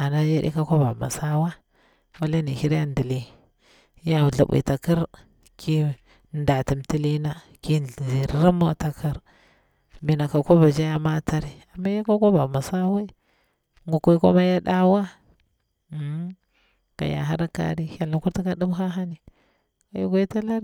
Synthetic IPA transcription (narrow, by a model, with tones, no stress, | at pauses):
a˨na˦ja˦ɗḭ˦ka˦kʷa˦ba˨ma̰˨sa˦wa˦ | wa˦le˦ni˨hi˦ɾa˦ndi˨li˦ | ja˨ɮa˨ɓḭ˨ta˨ki˦ɾ | kʰi˦ | nda˨ti˨mti˦li˦na˦ | ki˦˨i˨ɾɾa˦ma˦ta˨kʰi˦ɾ | mi˨na˨ka˨ko˦ba˨d͡ʒa˦ja˦ma˦ta˦ɾi˨a˨mːa˦ja˦ka˦ko˦ba˨ma˨sa˦wa˦ | ŋɡu˨ku˦ko̰˦ma˦ja˦ɗa˦wa˦˨˦ | ka̰˨ja̰˨ɦa˦ɾa˦ka̰˨ɾi˦ja˨la˨ku˦ɾta˦ka˦ɗu˦m˦xa˦ɦa˦ni˨ | ka˦ju˦ɡʷa˦ta˦la˦ɾ